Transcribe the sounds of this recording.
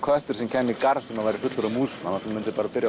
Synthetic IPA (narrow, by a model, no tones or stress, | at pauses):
kʰœht̪ʏɾ̥sɛmcʰɛːmikaɾðsɛmaðvajɾɪ̥fʏt̪lʏɾʏmuːsʏmanat̪ɛmmʏnt̪ɪ̥paːɾapɪɾja